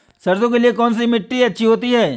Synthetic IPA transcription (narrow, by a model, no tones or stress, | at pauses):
sɐɾzõkeliekɔːnsimɪʈːiɐtːʃʰiɦoːt̪iɦɛː